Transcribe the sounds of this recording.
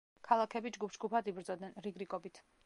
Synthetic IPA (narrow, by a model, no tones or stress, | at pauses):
kʰalˠakʰɛbid͡ʒɡupʰsd͡ʒɡupʰad̪ibɾd̪zɔd̪nɛnɾiɡɾikʼɔbit̪ʰ